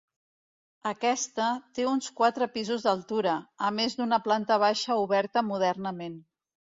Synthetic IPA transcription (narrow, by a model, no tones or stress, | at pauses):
əkɛst̪ət̪eunskwat̪ɾəpizuzðəlˠt̪uɾəːmezd̪unəplant̪əβ̞aʃəuβɛɾt̪əmuð̞ɛrnəmen